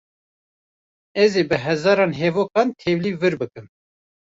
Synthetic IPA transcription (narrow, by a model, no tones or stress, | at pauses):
ɛzeːbɨɦɛzɑːɾɑːnɦevoːkɑːnt̪ʰevliːvɨɾbɨkɨn